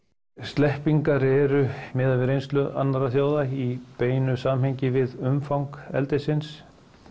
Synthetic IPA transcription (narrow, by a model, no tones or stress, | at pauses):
st̪lɛhpiŋkaɾɛɾʏmɪːðavɪɾejnst̪lʏʔa̰nːaɾaθjaːwðaipeːjnʏsaːmɦejɲcɪvɪðʏmfawŋkɛ̰lt̪ɪsɪns